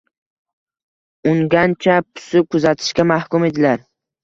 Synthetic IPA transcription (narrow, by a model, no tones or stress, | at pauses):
ʊŋɡʲant͡ʃʰapʰʊ̥sɪkʰʊzat̪ʰɪ̥ʃkʲamahkʊme̞d̪ɪlaɾ